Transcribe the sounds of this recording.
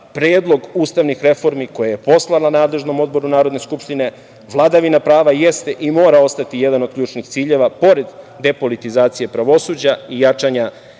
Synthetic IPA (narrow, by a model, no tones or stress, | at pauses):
pɾeːd̪lo̞ɡuːst̪aʋnixɾe̞fo̞ɾmiko̞jaje̞po̞slˠananaːd̪le̞ʒno̞mo̞d̪bo̞ɾunaːɾod̪ne̞skupʃt̪ine̞ | ʋlˠad̪aʋinapɾaːʋaje̞st̪e̞ʔimo̞ːɾao̞st̪at̪ije̞d̪ano̞d̪̚kʎuːt͡ʃnixt̪siːʎe̞ʋapo̞ɾe̞d̪ːe̞po̞lit̪izaːt̪sije̞pɾaʋo̞suːd͡ʑaijat͡ʃaɲa